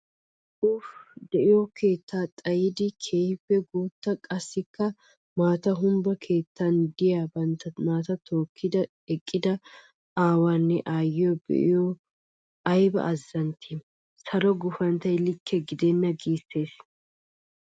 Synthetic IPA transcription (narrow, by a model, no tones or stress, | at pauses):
ʊfd̪ɛʔɪjɔkʰe̞ːt̪ːaːt̪ʼɐjɪd̪ɪkʰe̞ːhɪpːɛɡuːt̪ːɐkʼɐsːɪkːɐ | maːt̪ɐɦʊmbɐkʰe̞ːt̪ːɐnd̪ɪjaːbɐnt̪ɐmaːt̪ɐt̪ʰo̞ːkʰːɪd̪ɐ | ɛkʼːɪd̪ɐ | aːwaːnːɛʔaːjɪjɔbɛ̰ʔɪ̰jɔ | ʔɐjbɐ̰ʔːzːɐnt̪ʰi | sɐɾɔɡʊfɐnt̪ɐjlɪkʰːɛɡɪd̪ɛnːɐɡiːsːe̞ːs